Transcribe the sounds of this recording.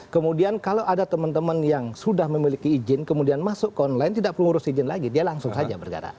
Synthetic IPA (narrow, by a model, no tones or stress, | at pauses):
kəmudiankalawʔadat̪əmənt̪əmənjaŋsudahməmilikiːd͡ʒɪnkəmudianmasʊʔkəɔnlaɪnt̪idaʔpəruuɾʊsid͡ʒɪnla̰ɡidialaŋsʊŋsad͡ʒa̰bərɡa̰ɾa̰